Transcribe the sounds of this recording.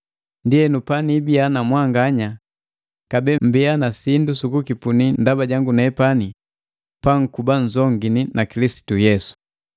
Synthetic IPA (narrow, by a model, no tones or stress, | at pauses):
ndiɛnupanibianamwaŋɡaɲa | kabɛm̩bianasindusukukipunindabaɟaŋɡunaɛpani | paŋ̩kubaɲd͡ʒɔŋɡininakilisi̥tujɛsu̥